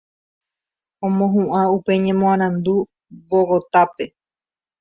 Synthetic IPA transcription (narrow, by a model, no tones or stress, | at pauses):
õmõɦũʔãupe̞ɲẽ̞mõaɾ̃ãnd̪u | βoɣot̪ape̞